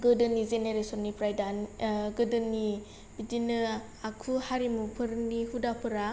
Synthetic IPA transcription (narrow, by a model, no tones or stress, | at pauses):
ɡɯdɯnizeneɾesɔnːipɾajdanɡɯdɯnːi | bidinɯ | akʰuhaɾimupʰɯɾnihudapʰɯɾa